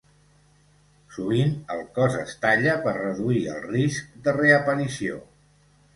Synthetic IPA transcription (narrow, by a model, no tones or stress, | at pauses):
suβ̞inəlˠkɔzəst̪aʎəpərəðuiə̰lˠrisk̚d̪əreəpənisio̰